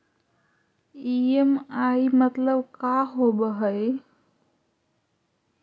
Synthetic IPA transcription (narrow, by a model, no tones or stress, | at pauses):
iemaimət̪ləbkaɦobəɦəj